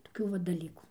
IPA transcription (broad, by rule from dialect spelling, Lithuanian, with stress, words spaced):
toːˈkʲuː ʋɐ dɐˈlʲiːkuː